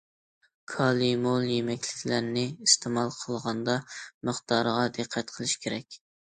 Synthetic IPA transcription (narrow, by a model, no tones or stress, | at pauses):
kʰɑlˠimolˠjemɛkʲlɪ̥kʲʰlæɾnɪist̪ʰemɑlˠqʰəlˠʁɑnd̪ɑməχt̪ɑɾʁɑd̪ɨqʰːæt̪qʰəlˠɨʃkʲʰeɾɛkʲ